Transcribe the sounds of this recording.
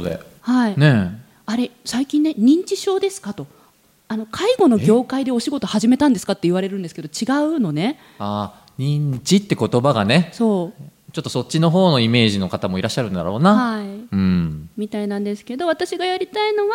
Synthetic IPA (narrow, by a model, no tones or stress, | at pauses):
od̪ḛ | haine | aɾe̞saikʲĩnːe̞ɲ̟ĩɲ̟t͡ɕiɕo̞ːd̪e̞sɨ̥kat̪o̞ | ano̞kʰaiɡo̞no̞ɡʲo̞ːkaid̪e̞o̞ɕiɡo̞t̪o̞haʑime̞t̪ãnd̪esɨ̥kat̪ːe̞iβaɾe̞ɾɯ̟nd̪sɨ̥ked̪o̞t͡ɕiɡaɯ̟no̞ne̞ | aː | ɲ̟ĩɲt͡ɕit̪ːe̞ko̞t̪o̞baɡa̰ne̞so̞ːt͡ɕo̞t̪ːo̞so̞tʲt͡ɕːino̞ɦo̞ːno̞ime̞ːʑino̞kat̪amo̞iɾaɕːaɾɯ̟nd̪a̰ɾo̞̰ːnahaiɯ̟̃mʲit̪ainãnd̪e̞sɨ̥ke̞d̪o̞β̞at̪aɕiɡajaɾʲit̪aino̞βa